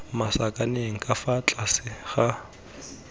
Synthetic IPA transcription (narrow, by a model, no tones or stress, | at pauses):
masakʼaneŋ̩kʼafat͡ɬʼasɪɣa